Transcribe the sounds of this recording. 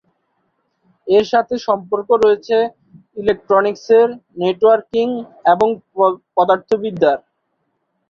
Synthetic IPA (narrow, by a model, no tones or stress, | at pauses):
eɾʃat̪ʰeʃɔmpoɾkoɾoet͡ɕʰe | ilek̚ʈɾonikseɾneʈwaɾkiŋeboŋpɔd̪aɾt̪ʰobid̪ːaɾ